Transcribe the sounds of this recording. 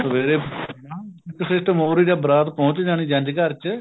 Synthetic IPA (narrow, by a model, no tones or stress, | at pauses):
t̪əʋeːɾeːaːɪkːsɪsʈmoːɾiːɾaːbəɾaːt̪pɔ̃ːt͡ʃd͡ʒaːñiːd͡ʒə̃ɲd͡ʒkəɾt͡ʃ